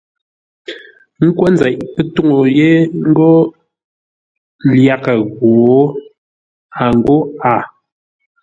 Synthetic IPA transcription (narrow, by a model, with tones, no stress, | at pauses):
ŋ̩˦kwɔ˦n˦d͡za˨ʔpe˦tu˦ŋo˨je˦ŋ̩˦ɡɔ˦ | lja˦˨ka˨ɣwoː˨˦ | a˨ŋ˦ɡo˦a˨